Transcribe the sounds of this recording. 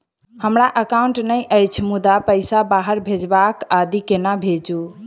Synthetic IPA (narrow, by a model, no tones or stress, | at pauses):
həmɾaʔəkauɳʈnəjʔəjt͡ʃʰmud̪apəɪsabaɦəɾbʱed͡ʒbakad̪ikenabʱed͡ʒu